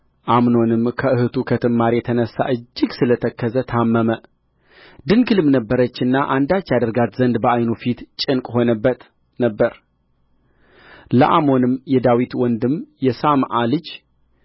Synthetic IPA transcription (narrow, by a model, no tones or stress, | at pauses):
ʔamno̞nɨmkʰəɨhɨt̪ʰukʰət̪ʰɨmːaɾjɛt̪ʰənəsːa̰ʔɨd͡ʒːɪɡsɨlət̪ʰəkʰːəzət̪ʰamːəmə | d̪ɨnɡɨlɨmnəbːəɾət͡ʃːɨnːaʔand̪at͡ʃːjad̪əɾɡat̪zənd̪bəʔajnofit̪t͡ʃʼɪnkʼho̞nəbːət̪ | nəbːəɾ | ləʔamo̞nɨmjɛd̪awit̪wɔnd̪ɨmjɛsamʔalɨd͡ʒ